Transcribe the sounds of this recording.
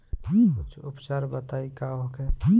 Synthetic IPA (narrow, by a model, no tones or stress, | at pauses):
ʊt͡ʃʰʊpt͡ʃaːɾbət̪aːikaɦokẽ